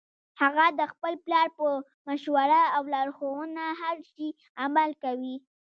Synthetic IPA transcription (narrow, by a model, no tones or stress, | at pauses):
haɣad̪əxpəlplɑɾpə | maʃwaɾaawlɑɾxowənaɦaɾʃi | amalkawi